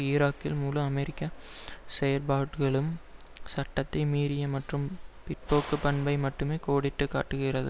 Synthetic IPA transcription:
ɪɾaːkːɪlmuːlɯ̃ɐmɛɾɪkːɐsɛjɐɾbaːʈɯɣɐɭɯm | sɐʈːɐt̪ːɐɪmiːɾɪjɐmɐʈrɯmpɪʈ̚poːkːɯpɐɳbɐɪmɐʈːɯmeːkoːɽɪʈːɯkːa̰ːʈːɯɣɪrɐðɯ

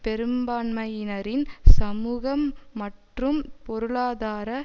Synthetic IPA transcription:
pɛɾɯmbaːnmɐjɪnɐɾɪnsɐmuːɣɐmːɐʈrɯmpɔɾɯɭaːðaːɾɐ

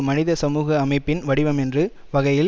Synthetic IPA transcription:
mɐnɪðɐsɐmuːɣɐːmɐɪpːɪnʋɐɽɪʋɐmɛndrɯ | ʋɐɣɐjɪ

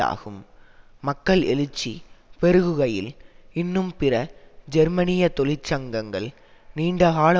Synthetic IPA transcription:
a̰ːɣɯmː | ɐkːɐɭɛ̰lɯt͡ʃːipɛɾɯɣɯɣɐjɪ̰lɪnːɯmpɪrɐd͡ʒɛɾmɐnɪjɐt̪ɔlɪt͡ʃːɐŋɡɐŋɡɐɭ | niːɳɖɐɣaːlɐ

